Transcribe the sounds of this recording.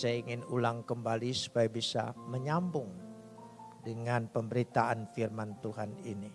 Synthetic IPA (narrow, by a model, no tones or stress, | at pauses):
sajaiŋɪnulaŋkəmbalisu̥pajabisa̰məɲambʊŋ | dəŋanpəmbəɾit̪aʔanfirmant̪uɦanini